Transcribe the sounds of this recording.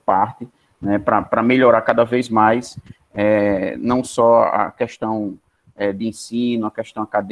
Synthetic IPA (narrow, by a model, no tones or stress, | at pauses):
paɾt̪ɪ | nɛpɾɐpɾɐmeʎɔɾaɾkad̪ɐvejzmajs | ɛnɐ̃w̃sɔɐ̰kɛʃt̪ɐ̃w̃ | ɛd̪ɪẽsĩnʊɐkɛʃt̪ɐ̃w̃akad̪e